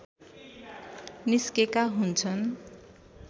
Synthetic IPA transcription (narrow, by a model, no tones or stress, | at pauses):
niskekaɦunt͡sʰʌn